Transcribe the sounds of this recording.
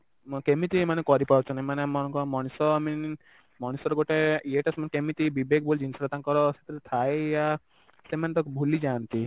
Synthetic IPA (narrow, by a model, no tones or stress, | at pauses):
kemit̪imanekɔɾipɔɾt͡ʃʰɔnamanemɔnkɔmɔñisɔami | mɔñisɔɾɔɡoʈeeʈasmanekemit̪ibibek̚bolid͡ʒinsɾɔt̪aŋkɔɾɔset̪iɾet̪ʰaeja | semanet̪ɔbʱulid͡ʒant̪i